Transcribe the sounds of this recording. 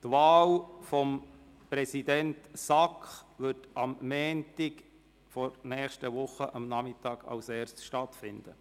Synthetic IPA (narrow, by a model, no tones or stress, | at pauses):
t̪ʋɑːlfɔm | pɾɛsidɛntsɑkχʋʏtɑmːɛːntɪk | fɔɾnɛːχʃtəʋʊχəʔɑmnɑmɪtɑːɡ̥ɑ̰lsɛːrstʃtɑtfɪnd̥̪ə